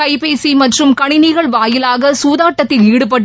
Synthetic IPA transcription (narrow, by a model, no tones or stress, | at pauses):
ɐɪpeːsimɐʈrɯmkɐɳɪnɪɣɐɭʋaːjɪlaːɣɐsuːðaːʈːɐt̪ːɪliːɽɯp̬ɐʈː